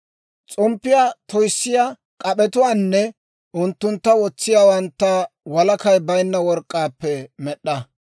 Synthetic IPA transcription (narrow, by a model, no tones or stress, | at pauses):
t͡sʼɔmpːɪjaːt̪ɔjsːɪja | kʼɐɓɛt̪ʊwaːnːɛ | ʊnt̪ːʊnt̪ːɐwɔt͡sːɪjaːwɐnt̪ːɐwɐlɐkɐjbɐjnːɐwɔɾkʼːaːpːɛmɛɗːɐ